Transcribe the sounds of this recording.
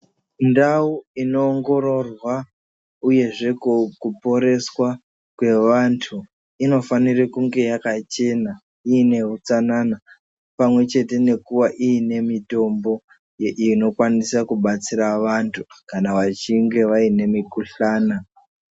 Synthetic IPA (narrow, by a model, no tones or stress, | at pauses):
ndauino̞ːŋɡo̞ɾo̞rwa | uje̞ʐe̞kkupo̞ɾe̞swa | kwe̞ʋantʰu | ino̞fanirekuŋɡe̞jakat͡ʃe̞na | iːne̞ɦut͡sanana | pamwe̞t͡ʃe̞te̞ne̞kuʋaʔiːne̞mito̞mbo̞ | jeʔiino̞kwanisakuɓat͡siɾaʋantʰukanaʋat͡ʃiŋɡe̞ʋaine̞mikuɬaːna